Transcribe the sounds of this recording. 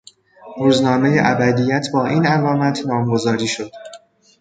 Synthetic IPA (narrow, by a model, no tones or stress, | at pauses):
ɾuːznɒːme̞jeʔæbæd̪ijæt̪ʰbɒːʔiːnælɒːmæt̪ʰnɒːmɡo̞zɒːɾiːʃo̞d̪̥